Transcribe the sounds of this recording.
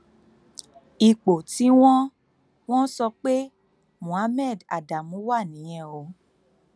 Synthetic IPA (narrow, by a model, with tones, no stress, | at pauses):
i˧k͡po˨ti˨˦w̃ɔ̃˦ | w̃ɔ̃˦sɔ˧k͡pe˦ | mũ˨a˨˦mɛ̃˦˨da̰˨da˨mũ˨˦wa˦˨nĩ˨˦jɛ̃˦˨o˨˧˦